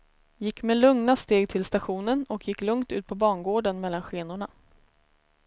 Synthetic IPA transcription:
jɪkːmelɵŋnast̪eːɡ̚t̪ʰɪlst̪aɧuːnənɔkʰjɪkːlɵŋt̪ʉ̟ːt̪̚pʰɔbɑːɳɡoːɖənmɛlːanɧeːnʊɳa

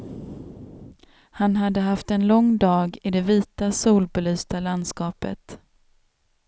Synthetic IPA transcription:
hanɦad̪ːəɦaft̪ɛnlɔŋd̪ɑːɡɪd̪ɛviːt̪asuːlbɛlyːst̪aland̪skɑːpə̰t̪

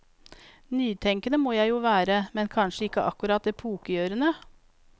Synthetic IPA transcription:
nyːt̪ʰɛŋkənəmoːjæɪjuːʋæːɾəmɛnkʰɑnʃəɪkːəʔɑ̰kʉɾɑːt̪̚d̪eːpʰuːkəjøːɾənə

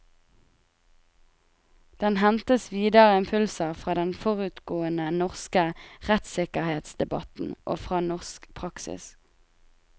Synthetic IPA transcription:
d̪̥ɛnhɛnt̪əsʋiːd̪əʁəɪmpʰʉlsəʁfʁɑːd̪ɛnfɔʁʉt̪ɡoːənənɔʁskəʁɛt̪sɪkəʁheːt̪sd̪̥ɛbɑ̰t̪n̩ʔo̰ːfʁɑːnɔʁskpʰʁɑksɪ̰s

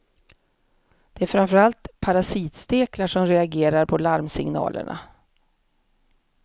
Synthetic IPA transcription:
d̪̥ɛæɾfɾanfœɾalt̪pʰaɾasiːt̪st̪eːklaʂɔmɾɛaɡeːɾaɾpʰɔlaɾmsɪ̰ŋnɑ̰ːlʔə̰ɳʔa̰

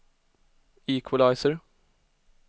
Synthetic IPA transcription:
iːkʰwəlaɪsəɹ

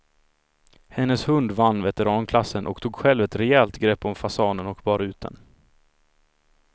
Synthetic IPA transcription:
hɛnːəshɵnd̪vanːvɛt̪ɛɾɑːnkʰlasːənʔɔ̰kt̪ʰuːɡɧɛlvɛt̪ɾɛɛlt̪ɡɾɛpːɔmfasɑːnənɔkbɑːɾaʉ̟ːt̪̚d̪ə̰n

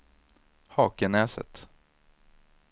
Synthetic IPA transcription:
hɑːkənɛːsə̰t̪

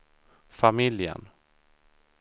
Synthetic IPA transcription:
famɪljə̰n

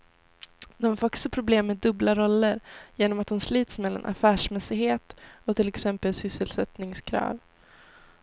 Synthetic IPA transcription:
d̪ɔmfœksəpʰɾʊbleːmːɛd̪ɵblaɾɔlːəɾjeːnɔmat̪̚h̪ʊmsliːt̪smɛlːa̰nʔa̰fæːʂmɛsɪɡheːt̪ɔt̪ʰɪlɛksɛmpəlsʏsːəlsɛt̪nɪŋskʰɾɑ̰ːv

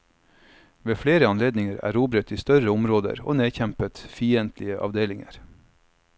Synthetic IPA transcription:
ʋeːfɽeːɾəɑnleːd̪nɪŋəɾæ̰ːɾuːbɾət̪iːst̪œɾəʊmɾoːd̪ə̰ɾo̰ːneːçæmpət̪fiːənt̪ʰlɪəʔɑ̰ʋd̪eːlɪŋə̰ɾ

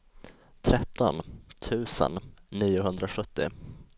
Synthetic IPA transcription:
t̪ʰɾɛt̪ːɔnt̪ʰʉ̟ːsə̰nːiːʊɦɵnd̪ɾaɧɵt̪ːɪ̰

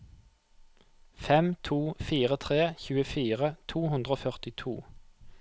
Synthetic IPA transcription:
fɛmt̪ʰuːfiːʁət̪ʰʁeːçʉːəfiːʁət̪ʰuːhʉnd̪ʁoːfœʁt̪ɪt̪ʰṵː

